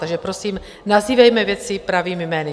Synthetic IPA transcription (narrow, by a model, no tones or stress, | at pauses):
aɡʒɛpɾosiːm | naziːvɛjmɛvjɛt͡sɪpɾaviːmɪmɛːnɪ